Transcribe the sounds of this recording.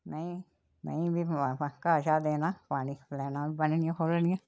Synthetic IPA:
nəĩ | mə̰̃ĩbʱikaːʃaːd̪eːnaːpaːniːplɛːnãːbibənnɪjãːkʰoːlnɪjã

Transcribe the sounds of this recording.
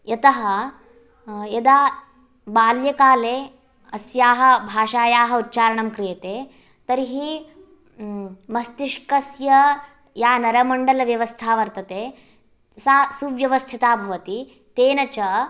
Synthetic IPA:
jɐt̪ɐɦɐ | jɐd̪aː | baːljɐkaːleː | ɐsjaːɦɐ̆bʱaːʃaːjaːɦɐutːt͡ʃaːɾɐɳɐmkɾijɐt̪eː | t̪ɐɾiɦi | mɐst̪iʂkɐsjɐ | jaːnɐɾɐmɐɳɖɐlɐʋjɐʋɐst̪ʰaːʋɐɾt̪ɐt̪eː | saːsuʋjɐʋɐst̪ʰit̪aːbʱɐʋɐt̪i | t̪eːnɐt͡ʃɐ

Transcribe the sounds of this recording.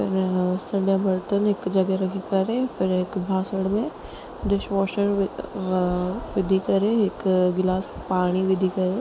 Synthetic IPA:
pɪɾsɐ̃ɳɖabɐɾt̪ənɦɪkd͡ʒɐɡəɾɐkʰikɐɾefʰɪɾɦɪkbʱaːsəɽmẽ | ɖɪʃʋoːʃəɽ | ʋɪd̪ʱikɐɾeɦɪkɡɪlaːspaːɽ̃iʋɪd̪ʱikɐɾeː

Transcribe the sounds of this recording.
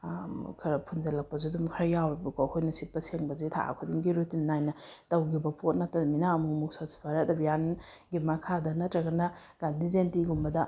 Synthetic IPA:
kʰɐɾɐpʰunzɐlɐk̚pɐzudumkʰɐɾɐjawɾɐbɐkowkʰojnɐsit̚pːɐseŋbɐzitʰa̰ʔa̰kʰudiŋɡiɾutinːajnɐtɐwɡibɐpʰot̚natːɐminaːmumuk̚sasi̥pʰaɾadɐbijan | ɡimɐkʰadɐnɐtɾɐɡɐnɐ | ɡ̥andizentiɡumbɐdɐ

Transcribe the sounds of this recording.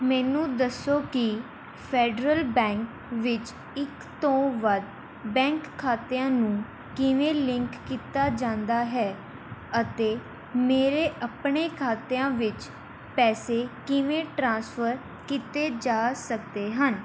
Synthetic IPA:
mɛːnũːd̪əsːoːkɪ | pʰɛːɖɾəlbɛ̃ːŋk | ʋɪt͡ʃ | ɪk | t̪õːʋəd̪ | bɛ̃ːŋkʰːaːt̪eãːnũː | kɪʋẽːlɪ̃ŋkːiːt̪aːd͡ʒãːnd̪aːɦɛː | ət̪eː | meːɾeːʔəpɳeːkʰaːt̪eãːʋɪt͡ʃ | pɛːseːkɪʋẽːʈɾãːsfʰəɾ | kiːt̪eːd͡ʒaːsəkd̪eːɦən

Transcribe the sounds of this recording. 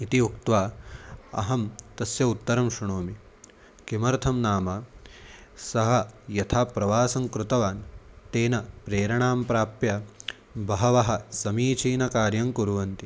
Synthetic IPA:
it̪iukt̪ʋaː | ɐ̰ɦɐmt̪ɐsjɐut̪ːɐɾɐmʃɐɳoːmi | kimɐɾt̪ʰɐmnaːmɐ | sɐɦɐjɐt̪ʰaːpɾɐʋaːsɐŋkɾut̪ɐʋaːnt̪eːnɐpɾeːɾɐɳaːmpɾaːpjɐ | bɐɦɐʋɐɦɐ̆sɐmiːt͡ʃʰiːnɐkaːɾjɐŋkuɾuʋɐnt̪i

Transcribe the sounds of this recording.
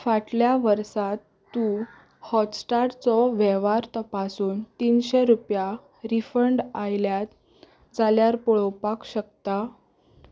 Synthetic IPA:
faʈljaʋəɾsat̪ːu | hɔtsʈaʈt͡sɔʋɛʋaɾt̪əpasuːnt̪iːnɕeɾupja | ɾifəɳɖajljat̪ | d͡zaljaɾpɔɭɔwpakɕəkt̪a

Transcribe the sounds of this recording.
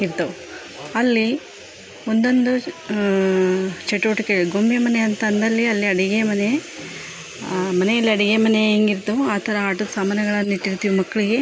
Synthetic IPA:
iɾt̪ɐʋu | ɐlːi | o̞nd̪o̞nd̪u | t͡ʃeʈuʋɐʈikeɡɐɭuɡo̞mbemɐneɐnt̪ɐnd̪ɐlːiɐlːiɐɽiɡemɐne | mɐnejɐlːiɐɽiɡemɐneeːŋɡiɾt̪ɐʋuaːt̪ʰɐɾɐaːʈɐd̪ɐsaːmɐnɐɡɐɭɐnːiʈːiɾt̪ːiʋimɐkːɐɭiɡe̞

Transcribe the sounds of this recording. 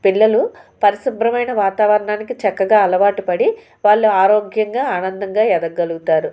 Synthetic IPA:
piɭːɐlupɐɾisɐmbʱɾɐmɐjnɐʋaːt̪aːʋɐɾɐɳaːnikit͡ʃɐkːɐɡaːɐlɐʋaːʈupɐɽi | ʋaːɭːuaːɾoːɡjɐŋɡaːaːnɐnd̪ɐŋɡaːjɛd̪ɐɡɡɐluɡut̪aːɾu

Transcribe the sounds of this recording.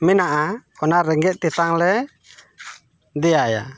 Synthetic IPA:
minaʔakɔnaɾɛŋɡɛʔt̪it̪aŋlɛ | diaja̰

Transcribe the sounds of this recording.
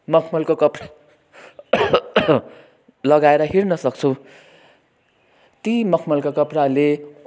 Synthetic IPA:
mʌkʰmʌlkokʌpra | lʌɡaeɾʌɦirnʌsʌk̚t͡sʰu | t̪imʌkʰmʌlkokʌprale

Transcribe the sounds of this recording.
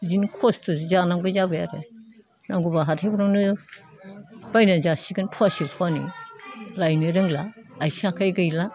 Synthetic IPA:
zinkʰɔstɯzanaŋbajzabɯja̰ɾe | naŋɡubaɦatʰebuɾɔŋnɯ | b̥ajnazasiɡɯnpʰuasipʰuanḭ | lajnɯɾɯŋlaː | jsakʰajɡɯjla

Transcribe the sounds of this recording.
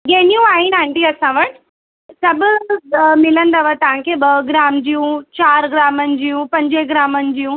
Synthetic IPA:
ɡeːnijũaːɦinãɳʈiɐsãʋəɽ | sɐb | mɪlə̃nd̪aʋət̪ɐʋ̤ãkʰeɓɐɡɾaːmd͡ʑijũt͡ɕaːɾɡɾaːmənɪ̆d͡ʑijũpɐ̃ɲd͡ʑeɡɾaːmənɪ̆d͡ʑijũ

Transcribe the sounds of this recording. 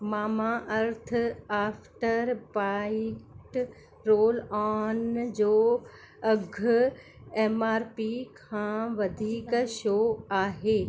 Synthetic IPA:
maːmaʔɐɾt̪̆ʰaːfʈəɾpaːɪʈ | ɾoːlɔːnd͡ʑoː | ɐɡʱʊ | eːmaːɾpikʰãːʋɐd̪ʱiːkʃoːaːɦeː

